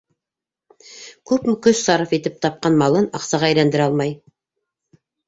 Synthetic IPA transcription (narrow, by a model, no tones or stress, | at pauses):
kʉpmɵkɵssɑɾəfet̪ɘp̚t̪ʰɑp̚qɑnmɑlˠɤnɑqsɑʁæjlænd̪ɘ̆ɾɑlˠmɑj